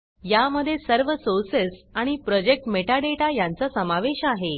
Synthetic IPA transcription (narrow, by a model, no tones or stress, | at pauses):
jaməd̪ʱːjesəɾʋəsoɾsesaɽ̃ipɾɔd͡ʑek̚ʈmeʈaɖeʈajant͡sasəmaʋeɕaɦe